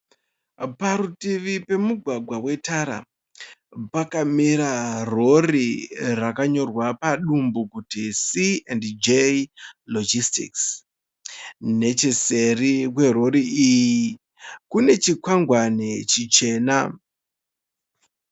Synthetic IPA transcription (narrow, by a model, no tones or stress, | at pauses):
paɾutiʋipe̞muɡʱwaɡʱwawe̞taɾa̰ | pakamiɾaro̞rirakaɲo̞rwapaɗumbukutisiendd͡ʒelod͡ʒistḭks | ne̞t͡ʃese̞rikwe̞ro̞ɾiiji | kune̞t͡ʃikwaŋɡwanet͡ʃit͡ʃe̞ːna